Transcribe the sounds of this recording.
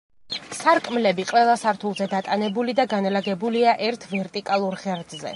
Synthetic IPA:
saɾkʼmlɛbiqʼwɛlˠasaɾt̪ʰulˠzɛd̪at̪ʼanɛbulid̪aɡanalaɡɛbuliaʔɛɾt̪ʰvɛɾt̪ʼikʼalˠuɾχɛɾd̪zɛ̰

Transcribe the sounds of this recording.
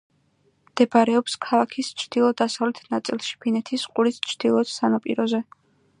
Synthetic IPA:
md̪̥ɛbaɾɛɔpskʰalˠakʰist͡ʃʰd̪̥ilˠɔd̪asavlɛt̪ʰnat̪sʼilˠʃi̥pʰinɛt̪ʰisqʼuɾist͡ʃʰd̪̥ilˠɔsanapʼḭɾɔzɛ

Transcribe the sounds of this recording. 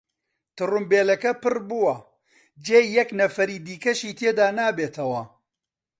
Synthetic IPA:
t̪ɨrɨmbeːlɐkɐpɨɾbuwɐ | d͡ʒeːjɐknɐfɐɾiːd̪iːkɐʃiːt̪ʰeːd̪aːnaːbeːt̪ʰɐwɐ

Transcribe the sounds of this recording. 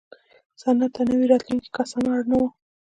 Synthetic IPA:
sanat̪anəwiɾɑt̪luŋki̥kasɑnaɽnawa

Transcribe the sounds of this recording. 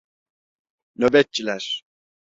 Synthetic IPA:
nøbɛt̪̚t͡ʃʰːilʲæɾ̥

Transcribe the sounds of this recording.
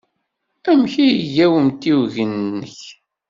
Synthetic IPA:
æmçijʝæwəmt̪iwʝənːəç

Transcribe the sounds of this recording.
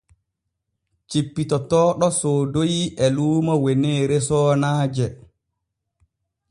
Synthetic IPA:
t͡ʃipːitɔtɔːɗɔsoːdojiʔɛluːmawɛeneːɾɛsɔːnaːd͡ʒɛ

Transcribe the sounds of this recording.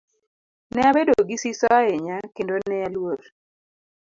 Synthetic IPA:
nɛabedoɡisisɔaɛɲakendonɛalwoɾ

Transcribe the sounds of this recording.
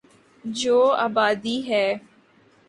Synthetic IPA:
d͡ʒoːa̰ːbaːd̪iɦɛː

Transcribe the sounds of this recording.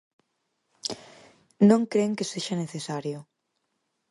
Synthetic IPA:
nõŋkɾeŋkeseʃaneθesaɾjʊ

